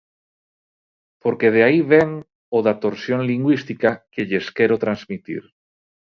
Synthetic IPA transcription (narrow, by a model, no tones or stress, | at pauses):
poɾkeð̞eaiβeŋ | oðat̪oɾsjõ̞nliŋɡwist̪ikakeʎeskeɾot̪ɾanzmit̪ḭɾ